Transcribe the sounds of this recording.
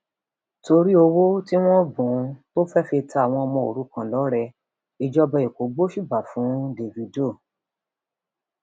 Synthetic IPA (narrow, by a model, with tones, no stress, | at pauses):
to˧ɾi˦o˧wo˦ti˦w̃ɔ̃˦bũ˨˦to˦fɛ˦fe˧tʰa˦a˨w̃ɔ̃˧mɔ̃˧o̰˨ɾu˨˦kã˧lɔ˨˦ɾɛ˧ | i˧d͡ʒɔ˦bɛ˧˨i˨ko˨ɡ͡bo˦ʃu˦˨ba˨fũ˨˦de˧vi˧do˦˨